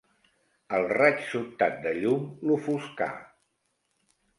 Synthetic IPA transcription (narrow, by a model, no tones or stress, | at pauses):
əlˠrat͡ʃsut̪at̪̚d̪əʎumlufuska̰